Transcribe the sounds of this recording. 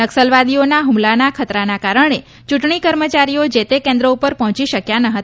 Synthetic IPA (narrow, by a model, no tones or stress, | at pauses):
nəksəlʋad̪ionaɦumlanakʰət̪ɾanakaɾəɳ̃e | t͡ʃuʈɳikəɾmət͡ʃaɾiod͡ʒet̪ekẽnd̪ɾəupəɾpɔɦɔ̃t͡ʃiʃəkjanəɦət̪